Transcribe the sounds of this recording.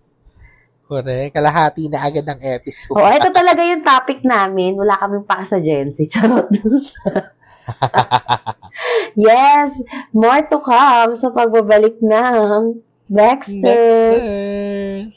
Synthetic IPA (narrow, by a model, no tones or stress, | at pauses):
koɾɛkɐlaɦaːt̪inɐʔɐɡad̪̚ɐŋʔɛpɪsʔoʔoʔɛt̪ot̪ɐlɐɡajʊŋt̪aːpɪk̚naːmɪnwɐlaːkɐmɪŋpɐkɐsɐd͡ʒɛnsɪt͡ʃɐɾod̪ʊs | jɛsmoɹt̪okamsɐpɐɡ̚babɐlɪk̚nɐŋ | bɛkst̪ɛs